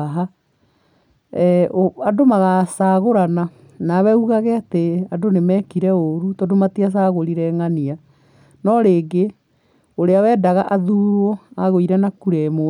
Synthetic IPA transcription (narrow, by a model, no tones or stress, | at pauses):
ɦa | oadomaɣasaɣoɾana | nawɛuɣaɣɛateadonemɛkiɾɛoɾutɔdomatias̬aːɣoɾiɾɛŋania | nɔɾeːɡe | oɾeawɛːdaɣaʔaðuːɾɾoaɣoiɾɛnakuɾɛmo